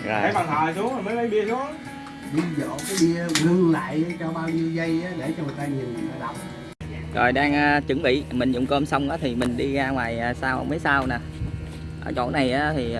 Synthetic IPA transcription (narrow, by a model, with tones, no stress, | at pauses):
a˨˦jkɔ˨˩nt̪ʰəː˨jsu˨˦əŋa˨˩məː˨˦jʔə˨˦jɓi˧əsu˨˦ | ɗi˧zə̰ː˧˨˩ka˨˦ɓi˧ə˧ɣɨ˧ŋla̰ː˧˨jt͡ɕɔ˧ɓaː˧wɲi˧əwɣə˧jaː˨˦ɗe˧˩t͡ɕɔ˧mɨ˨˩əjt̪aː˧ɲi˨˩n˨˩a˧˩ɗa˨˩wŋ͡m̚ | zo˨˩jɗaː˧ŋʔaː˧t͡ɕɨ˨˧˩ŋɓḭ˧˨mï˨˩ŋ̟zʊ̰˧˨ŋ͡mko˧msa˧wŋ͡mʔaː˨˦t̪ʰi˨˩mï˨˩ŋ̟ɗi˧ɣaː˧ŋwaː˨˩jːsaː˧wʔa̰˧˩mə˨˦jsaː˧wnaː˨˩ | ʔə̰ː˧˩t͡ɕo̰˧˩˥na˨˩jʔaː˨˦t̪ʰi˨˩˨